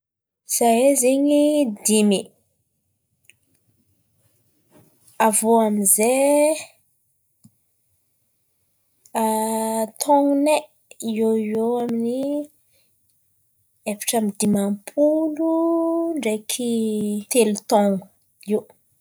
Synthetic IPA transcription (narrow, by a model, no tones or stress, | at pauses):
z̥aezeɲid̪imi | avoamize | at̪ʰɔŋne | ioioamini | efi̥ʈ͡ʂamid̪imampʰuluɳɖ͡ʐekʰit̪elut̪ɔŋu | iw